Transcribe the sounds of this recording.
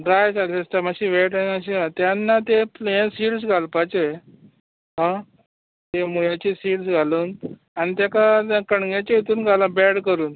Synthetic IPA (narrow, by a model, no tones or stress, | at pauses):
ɖɾajsalsesʈamaɕiʋeʈaniaɕiɦãt̪janːat̪eplesiːʈsɡʱalpat͡ɕe | ɦã | t̪emuɭat͡ɕiːsiːɽsɡʱaluːn | añit̪jakakəɳɡat͡ɕeit̪uːnɡʱalabɛɽkəɾuːn